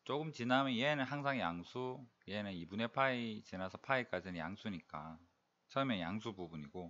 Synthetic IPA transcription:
t͡ɕ͈oɡɯmt͡ɕinamjʌnjɦenɯnɦaŋs̬ʰaŋjaŋsʰuienɯnibune̞pʰait͡ɕinasʰʌpʰaik͈ad͡ʑinɯnja̰ŋsʰuɲik͈a̰ | t͡ɕʰʌmjʌnja̰ŋsʰububuɲiɡo

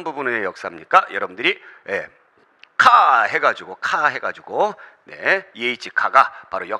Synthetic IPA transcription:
nbubunejʌk̚s͈aɦamɲik͈ajʌɾʌbundɯɾije | kʰahe̞ɡad͡ʑuɡokʰaɦe̞ɡad͡ʑuɡone̞jeit͡ɕ͈ʰikʰaɡapaɾojʌ

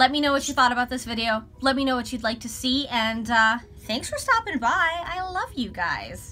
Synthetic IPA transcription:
lɛt̚minoʊwʌt͡ʃɨθɔɾəbaʊt̪̚ðɪsvɪɾioʊ | lɛt̚minoʊwʌt͡ʃɨdˡlaɪk̚tʰɨsiɨ̃nʌ | θæ̃ŋksfə˞stɑpɪ̃ŋbaɪaɪlʌvjɨɡa̰ɪz̥

